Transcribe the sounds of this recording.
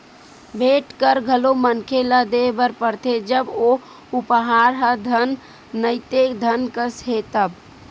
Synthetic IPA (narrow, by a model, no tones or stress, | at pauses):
bʱeʈkəɾɡʱəlomənkʰeləd̪ebəɾpəɾt̪ʰed͡ʒəbo | upɦaɾɦəd̪ʱənː | əɪt̪ed̪ʱənkəsɦet̪əb